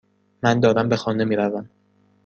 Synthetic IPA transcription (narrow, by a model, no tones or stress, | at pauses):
mænd̪ɒːd̪æmbexɒːnemiːɾævæm